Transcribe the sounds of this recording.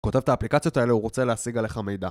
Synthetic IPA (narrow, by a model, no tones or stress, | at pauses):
ko̞te̞vtaːplikat͡sijo̞t̪ae̞leuʁo̞t͡se̞leasiɡale̞χame̞jda